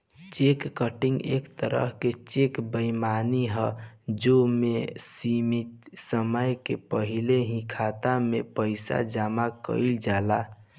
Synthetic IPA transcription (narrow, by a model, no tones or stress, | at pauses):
t͡ʃekːəʈiŋɡḛkt̪əɾə̰ɦket͡ʃekbəjmaniɦəd͡ʒomesimit̪səməjkepəɦileɦĩkʰat̪amepəɪsa̰d͡ʒamakə̰ɪld͡ʒala